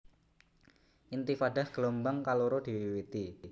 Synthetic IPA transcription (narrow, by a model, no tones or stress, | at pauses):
ʔint̪ifaɖahɡ̥əlɔmbaŋkaloɾod̪̥iwiwit̪i